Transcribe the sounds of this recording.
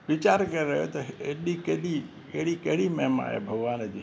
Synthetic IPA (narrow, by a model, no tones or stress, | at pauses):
ʋit͡ʃaɾkəɾiɾəɦjot̪oeʈlikeli | keɭikeɭimɛmã̰jḛbʱəɡʋanəd͡ʒi